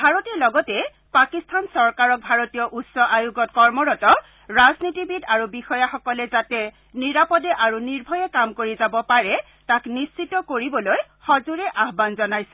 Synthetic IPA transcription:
bʱaɹotiɹlɔɡɔtɛ | pakistʰansɔɹkaɹɔk̚bʱaɹotijɔʔutsɔʔajuɡɔtkɔɹmɔɹɔtɔ | ɹaznitibidaɹubixɔjaxɔkɔlɛzatɛ | niɹapɔdɛʔaɹuniɹbʱɔjɛkamkoɹizabɔpaɹɛ | taknist͡ʃitɔkoɹibɔlojxɔzuɹɛʔaɦbanzɔnajsɛ

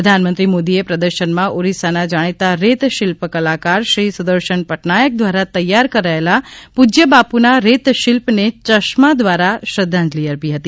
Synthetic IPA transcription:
əd̪ʱanmənt̪ɾimod̪iepɾəd̪əɾʃənmãʔoɾisanad͡ʒaɽ̃it̪aɾet̪ʃɪlpkəlakaɾʃɾisud̪əɾʃəɳpəʈnajək̚d̪ʋaɾat̪əjːaɾkəɾaelapud͡ʒjəbapunaɾet̪ʃɪlpnet͡ʃəʃmad̪ʋaɾaʃɾəd̪ʱːãɲd͡ʒliəɾpiɦət̪i

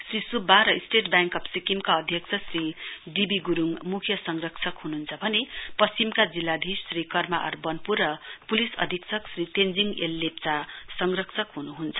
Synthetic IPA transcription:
srisubʱaɾʌisʈeʈbjaŋkʌpsikimkaʌd̪ʱjʌk̚t͡sʰʌsriɖibiɡuɾuŋmukʰjʌsʌŋrʌkt͡sʰʌkɦununt͡sʰʌbʱʌnepʌst͡simkad͡zilːad̪ʱisːrikʌrmaʔʌ̰rbʌnpurʌpulisʌ̰d̪ʱikt͡sʰʌksrit̪end͡ziŋelːep̚t͡sasʌŋrʌkt͡sʰʌkɦunuɦunt͡sʰʌ

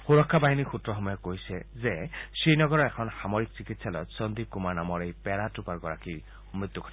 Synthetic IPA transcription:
xuɾɔkʰːabaɦinixutɾɔxɔmɔjɔkoɦjsɛzesijnɔɡɔɾɔekʰɔnxamoɾik̚sikit̪ʰsalɔtsɔnd̪ikumanamɔɾejpɛɾatupaɾɡɔɾaki | mɹit̪juɡʰʱɔ̥ti

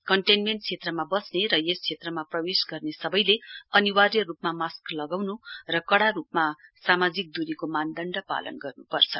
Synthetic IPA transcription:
kʌɳʈenmenʈ̚t͡sʰet̪rʌmabʌsneɾʌjest͡sʰet̪rʌmaprʌwesɡʌrnesʌbʌjleʌniwarjʌrupmamasklʌɡawnurʌkʌɽarup̚masamad͡zik̚d̪uɾikomand̪ʌɳɖʌpa̰lʌ̰nɡʌrnupʌrt͡sʰʌ

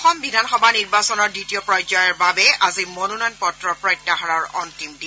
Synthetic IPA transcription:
xɔmbidʱanxɔbʱaniɹbasɔnɔɹditiɔpɹɔjzɔjɔɹbabɛazimonunɔjnpɔtɹɔpɹɔjtːaɦaɹaɹɔ̰ntimdi

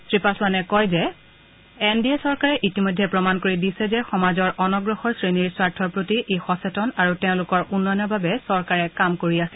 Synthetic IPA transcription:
tɹipasmanɛkɔjzɛ | ɛndiɛsɔɹkaɹɛʔitimojdʱɛpɹɔmankoɹidisɛzɛxɔmazɔɹʔɔnɔɡɹɔxɔɹsɹeniɹswaɹtʰɔɹpɹotiʔexɔsɛtɔnaɹutɛʊ̃lʊkɔɹʔunːɔjɔnɔɹbabɛsɔɹkaɹɛkamkoɹiasiɛl

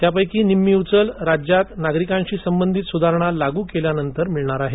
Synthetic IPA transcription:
t̪jap̬əjkiːnimːiwt͡səlɾad͡ʑjat̪naɡɾikãɲt͡ɕiːsəmbənd̪ʱit̪sud̪ʱaɾɳ̃alaɡuːkeljanənt̪əɾmiɭɳaɾaɦe

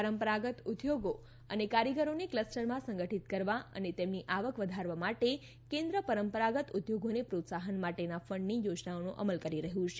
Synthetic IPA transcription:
pəɾəmpəɾaɡət̪ud̪joɡo | ənekaɾjəɡəɾonekləsʈəɾmãsə̃ŋɡəʈʰit̪kəɾʋaə̰net̪emniʔaʋəkʋəd̪ʱaɾʋamaʈe | kẽnd̪ɾəpəɾəmpəɾaɡət̪ud̪joɡonepɾot̪saɦənmaʈenafəɳɖnijod͡ʒnaonuʔə̰məlkəɾiɾəɦjũt͡ʃʰe

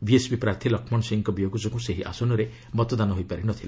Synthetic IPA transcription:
biesbipɾaɾt̪ʰilɔkʰmɔɳ̃siŋkɔbijoɡud͡ʒɔkuseɦiʔa̰sɔnɔɾe | mɔt̪ɔd̪anɔɦojpaɾinɔt̪ʰil

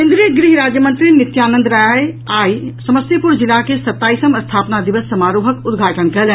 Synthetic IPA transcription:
kẽnd̪ɾiəɡɾiɦɾaːd͡ʒjəmə̃nt̪ɾinɪt̪jaːnə̃nd̪ɾaːjajaːisɐməsipʊɾd͡ʒɪlakesɐt̪ːaːiːsəmɐst̪ʰaːpnad̪ɪʋəsːɐmaːɾoːɦəkʊd̪ɡʱaːʈənkɐl

